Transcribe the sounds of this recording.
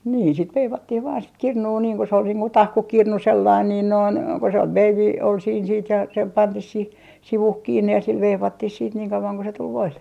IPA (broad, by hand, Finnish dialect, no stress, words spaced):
niːn sit ʋeiʋɑtːih ʋɑːn sit kirnuː niːŋ ku se ol niːŋ ku tɑhkukirnu selːɑin niːn noin ko se ʋeiʋi ol siːn siːt jɑ se pɑntih sih siʋuh kiːnːe jɑ sil ʋeiʋɑtːih siːt niːŋ kɑuɑŋ ku se tul ʋoilːe